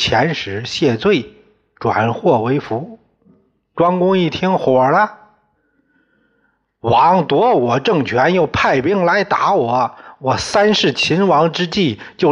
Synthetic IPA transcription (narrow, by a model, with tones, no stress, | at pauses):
t͡ɕʰjɛ˧˥nʂɻ̩˧˥ɕjɛ˥˧t͡swe˥˩ɪ | ʈ͡ʂwa̰˨˩nxwɔ˥˩we˧˥ɪfu˧˥ | ʈ͡ʂwɑ˥ŋkʊ˥ŋi˥˩t̪ʰi˥ŋxwɔ˨˩lə˦ | wɑ˧˥ŋt̪wɔ˧˥wɔ˨˩ʈ͡ʂɤ˥˩ŋt͡ɕʰɥɛ˧˥njo˥˧˩ʊpʰa˥˧ɪpi˥ŋla˧˥ɪt̪a˧˥wɔ˨˩˥wɔ˨˩sa˥nʂɻ̩˥˩t͡ɕʰi˧˥nwɑ˧˥ŋʈ͡ʂɻ̩˥t͡ɕi˥˩t͡ɕjo˥˩ʊ